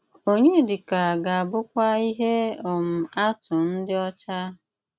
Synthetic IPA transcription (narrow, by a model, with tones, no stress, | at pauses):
o˦ɲe˦dɪ˨ka˨ɡa˨a˨bʊ˦kʷa˦i˦ɦe˦ɔ˨m̩˨a˦tʊ˨n̩˦dɪ˦ɔ˦t͡ʃa˦